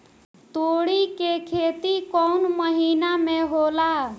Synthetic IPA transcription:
t̪oɽikekʰet̪ikɔnməɦinameɦola

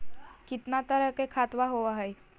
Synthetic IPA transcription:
kit̪nat̪əɾəkekʰat̪ʋaɦoʋaɦej

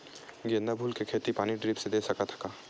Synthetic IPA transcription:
ɡend̪abʱuːlkekʰeːt̪ipaːniɖɾiːpsed̪eːsɐkat̪ʰɐ̥kaː

